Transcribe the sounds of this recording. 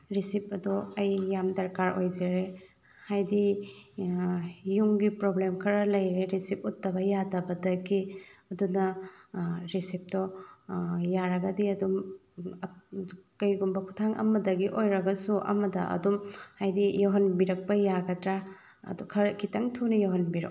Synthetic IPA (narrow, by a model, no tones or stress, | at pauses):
ɾisip̚ɐdoɐjːamdɐɾkaɾojzeɾe | hajdi | juŋɡipɾoblemkʰɐɾɐlɐjɾeɾisip̚utːɐbɐjadɐbɐdɐɡiɐdunɐ | ɾisip̚dɔ | jaɾɐɡɐdiɐdum | kɐjɡumbɐkʰutʰaŋʔɐ̰mɐdɐɡiʔojɾɐɡɐsuʔɐ̰mɐdɐ̰ʔɐ̰dumhajdijoɦɐnbiɾɐk̚pɐjaɡɐdɾa | ɐ̰dukʰɐɾkʰitɐŋtʰunɐjoɦɐnbiɾo̰